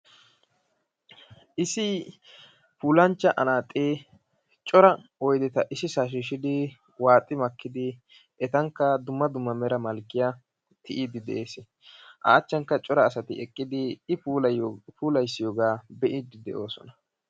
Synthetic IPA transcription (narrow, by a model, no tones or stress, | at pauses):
ʔɪsɪ | puːlɐnt͡ʃːɐʔɐnaːt̪ʼːeː | t͡ʃʼɔɾɐɔjd̪ɛt̪ɐʔɪsɪsaːʃ̬ɪʃɪd̪ɪ | waːt̪ʼːɪmɐkːɪd̪ɪ | ɛt̪ɐŋkːɐd̪ʊmːɐd̪ʊmːɐmɛɾɐmɐlkːɪja | t̪ʰɪʔiːd̪ɪd̪ɛ̰ʔeːsɪ | ʔa̰ːt͡ʃːɐŋkːɐt͡ʃʼɔɾɐːsɐt̪ɪ̰ɛkʼːɪd̪ɪɪpuːlpʰuːlɐjsːɪjoːɡaːbɛʔiːd̪ɪd̪ɛʔo̞ːsɔ̰nɐ̥